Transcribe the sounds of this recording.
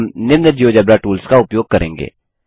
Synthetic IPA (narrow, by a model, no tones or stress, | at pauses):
mnɪɾnəd͡ʒiod͡ʒɛbɾaʈuːlskaʊpjoːɡ̚kɐɾḛ̃ːŋɡḛː